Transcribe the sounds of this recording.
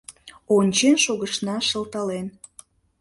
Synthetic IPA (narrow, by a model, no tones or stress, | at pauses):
onʲt͡ɕenʃoɣəʃnɑʃə̆lt̪ɑlen